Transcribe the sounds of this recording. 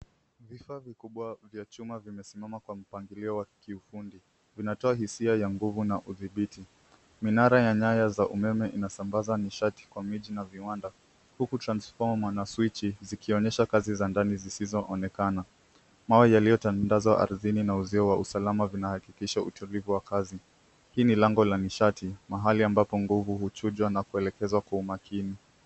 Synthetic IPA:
vifavikuɓwavjat͡ʃumavimɛsimamakwam̩paŋɡiliɔwakiufundi | vinatɔahisiajaŋɡuvunaʔuðiɓiti | minaɾajaɲajazaʔumɛmɛʔinasambazaniʃati̥kwamiʄinaviwanda | hukutɾansfɔmmanaswit͡ʃizikiɔɲɛʃakazizandanizisizɔʔɔnɛkana | mawɛjalijɔtandazwaʔa̰ɾðininauziɔwausalamavinahakikiʃautulivuwakazi | hiːnilɛŋɡɔlaniʃatʰimaɦaliambapɔŋɡuvuhut͡ʃuʄwanakuɛlɛkɛzwakwaumakini

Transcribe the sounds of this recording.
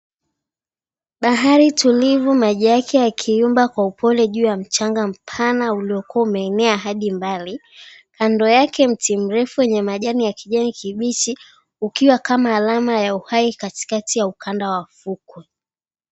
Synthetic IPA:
ɓaɦaɾitʰulivumaʄajakʰɛjakʰiumbakwaupʰɔlɛʄuːjam̩t͡ʃaŋɡam̩pʰanauliɔkuaumɛːnɛaɦaɗimbali | kandɔjakɛm̩tim̩ɾɛfuwjɛɲɛmaʄanijakiʄɛnikiɓit͡ʃi | ukiwakamaːlamajauhaikati̥katʰijaukʰandawafukwɛ

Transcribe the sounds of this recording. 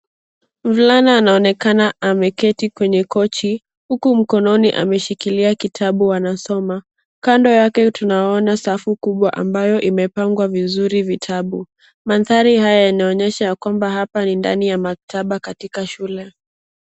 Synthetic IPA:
vlanaːnaɔnɛkanaamɛkɛtikwɛɲɛkɔt͡ʃi | hukum̩kɔnɔniʔa̰mɛʃikiliakitʰaɓuwanasɔma | kandɔjakɛtunaɔnasafukuɓwaʔa̰mbajɔʔimɛpaŋɡwavizuɾivitʰaɓu | manθaɾihajajanaɔɲɛʃajakwambaɦapaninda̰nijamak̚tʰaɓakatikaʃulɛ

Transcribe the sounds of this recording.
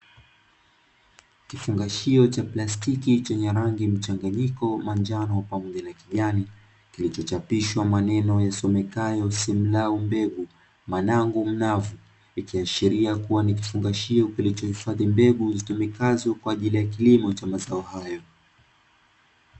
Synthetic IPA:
kifuŋɡaʃiɔt͡ʃaplastikit͡ʃɛɲɛɾaŋɡim̩t͡ʃaŋɡaɲikɔmand͡ʒanɔwapamɔʄanakiʄani | kilit͡ʃɔt͡ʃapiʃwamanɛnɔjasɔmɛkajɔsim̩laumbɛɠu | manaŋɡum̩navu | ikiaʃiɾiakuwanik̬ifuŋɡaʃiɔkilit͡ʃɔhifaðimbɛɠuzitumikazɔkwaːʄilijak̬ilimɔt͡ʃamazaɔhajɔ

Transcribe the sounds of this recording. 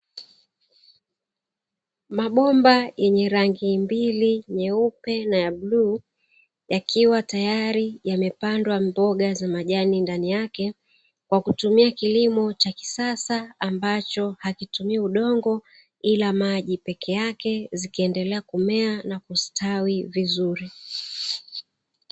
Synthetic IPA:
maɓɔmbajɛɲɛɾaŋɡimbiliɲɛupɛnajaɓluː | jakʰiwatajaɾijamɛpandwambɔɠazamaʄanindanijakɛ | kwakutumiakilimɔt͡ʃaki̥sasaːmbat͡ʃɔhakitumiauɗɔŋɡɔ | ilamaʄipɛkʰɛjakɛzikiɛndɛlɛakumɛanakustʰawivizuɾi

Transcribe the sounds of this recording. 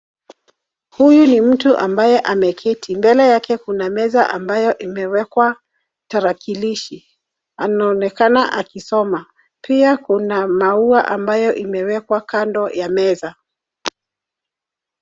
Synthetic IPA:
hujunim̩tuʔambajɛʔamɛkʰitʰimbɛlɛjakɛkunamɛzaʔambajɔʔimɛwɛkwa | taɾakiliʃi | anaɔnɛkanaʔakisɔma | piakunamauaʔambajɔʔimɛwɛkwakandɔjamɛza

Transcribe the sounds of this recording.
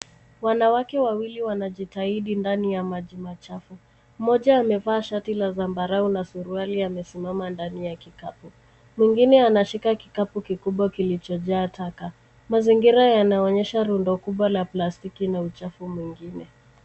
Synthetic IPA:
wanawakɛwawiliwanaʄitaiɗindanijamaʄimat͡ʃafu | mɔʄaːmɛvaːʃatilazambaɾaunasuɾualiamɛsimamandanijakikapu | mwiŋɡinɛanaʃikaki̥kapukikuɓwakilit͡ʃɔʄaːtʰaka | maziŋɡiɾajanaɔɲɛʃaɾundɔkuɓwalaplastikinaut͡ʃafumwiŋɡinɛ

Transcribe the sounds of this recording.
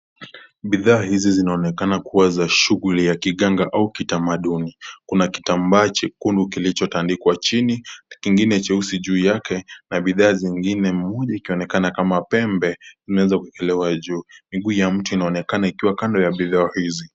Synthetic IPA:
ɓiðaːhizizinaɔnɛkanakuwazaʃuɣulijakiɠaŋɡaʔaukitamaɗunikunaki̥tambaːt͡ʃkundukilit͡ʃɔtandikwat͡ʃinikiŋɡinɛt͡ʃɛusiʄuːjakɛnaɓiðaːziŋɡinɛmɔʄaikiɔnɛkanakamapɛmbɛzimɛwɛzakuɛkɛlɛwaʄuːmiɠuːjam̩tuinaɔnɛkanaikiwakandɔjaɓiðaːhizi

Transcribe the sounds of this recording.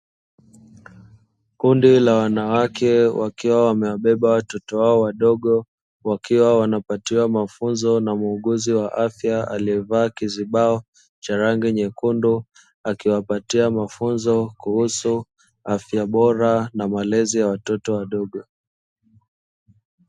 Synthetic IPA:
kundilawanawakʰɛwakiwawamɛwaɓɛɓawatɔtɔwaɔwaɗɔɠɔ | wakiwawanapatiwamafunzɔnamuːɠuziwaʔafjaa̰liɛvaːkiziɓaɔ | t͡ʃaɾaŋɡiɲɛkundu | akiwapatiamafunzɔkuhusu | afjaɓɔɾanamalɛzijawatɔtɔwaɗɔɠɔ

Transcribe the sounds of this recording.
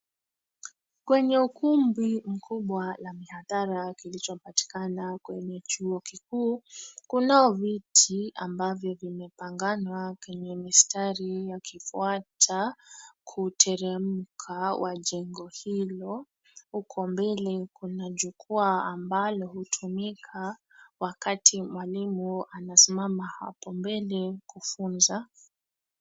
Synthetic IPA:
kwɛɲɛukumbim̩kʰuɓwalamihaðaɾakilit͡ʃɔpati̥kanakwɛɲɛt͡ʃuɔkikuːkunaɔvitʰiambavjɔvimɛpaŋɡanwakwɛɲɛmistaɾijakifuatʰakʰutʰɛɾɛm̩kʰawʔaʄɛŋɡɔhilɔ | hukʰɔmbɛlɛkunaʄukuaːmbalɔhutʰumikʰa | wakatʰimwalimuanasimamaha̰pɔmbɛlɛkufunza

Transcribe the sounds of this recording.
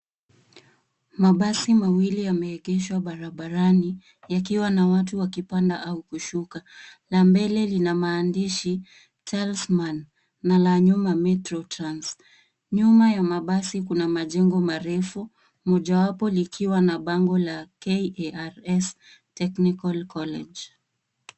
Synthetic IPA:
maɓasimawilijamɛɛɠɛʃwaɓaɾaɓaɾani | jakiwanawatuwakipandaʔaukuʃukalambɛlɛlinamaːndiʃi | t͡ʃalsmanː | alaɲumamɛtɾɔtɾans | ɲumajamaɓasikunamaʄɛŋɡɔmaɾɛfu | mɔʄawapɔlikʰiwanaɓaŋɡɔlakɛaɾɛs | tɛknikalkɔlɛʄ

